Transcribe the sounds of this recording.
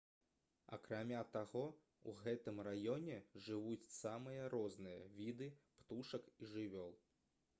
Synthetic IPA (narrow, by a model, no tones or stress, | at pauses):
ɐ̰kɾamʲat̪aɣɔ | ṵɣɛt̪ɨmrajɔnʲɛʐɨvut͡sʲsamɨjɐɾɔznɨjɐ̰vʲid̪ɨpt̪uʂɐkiʐɨvʲɔlˠ